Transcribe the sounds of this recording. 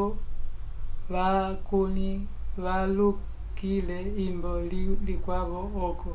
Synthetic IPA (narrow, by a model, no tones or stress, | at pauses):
ʋakuni | ʋalu | kilɛimbɔlilikwaβɔɔkɔ